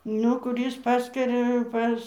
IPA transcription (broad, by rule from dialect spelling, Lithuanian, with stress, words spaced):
ˈnʊ kʊˈrʲiːs ˈpɑːskɐrʲɛ ˈpɐs